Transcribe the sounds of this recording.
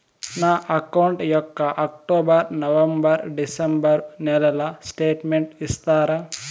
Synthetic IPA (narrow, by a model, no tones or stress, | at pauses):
naːʔɐkɐwɳʈjɔkːɐʔɐkʈoːbɐɾnɐʋɐmbɐɾɖisɐmbɐɾnɛlɐlɐsʈeːʈmeɳʈist̪aːɾɐ